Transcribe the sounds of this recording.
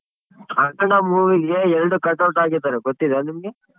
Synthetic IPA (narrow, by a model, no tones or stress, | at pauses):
ɐkːɐɳɐmuːʋiɡeɛɾɐɖukɐʈːɐwʈaːɡiɾt̪aːɾɛɡot̪ːid̪ɐimɐɡe